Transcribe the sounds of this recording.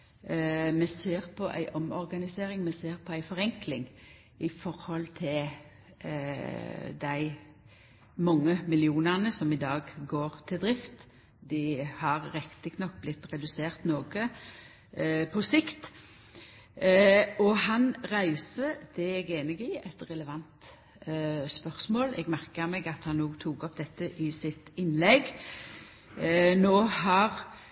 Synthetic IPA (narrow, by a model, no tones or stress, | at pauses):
mɛseːʁpʰɔʔæ̰ɪʔɔmɔɾɡɑnɪseːɾɪŋmɛseːʁpʰɔæɪfɔʁɛŋklɪŋ | ɪfɔɾhɔlt̪ʰɪl | d̪æɪ | mɑŋːəmɪlɪuːnæʁnəsɔmɪd̪ɑːɡɡoːʁt̪ʰɪld̪ɾɪft̪ | d̪ɪhɑʁːɛkt̪əkʰnɑk̚ːblɪt̪ːʁɛd̪ʉseːʁt̪noːɡə | pʰɔsɪkt̪ | ɔhɑnʁæɪsəd̪̥ɛɛɡeːnəɡɪɛt̪ʁɛləʋɑnt̪ | spœʁsmoːlɛ̰ɡmæʁkəmɛːɡɑt̪hɑnːoːɡt̪ʰuːkɔpd̪ɛt̪ːəʔɪsɪt̪ɪnlɛɡ | noːhɑʁ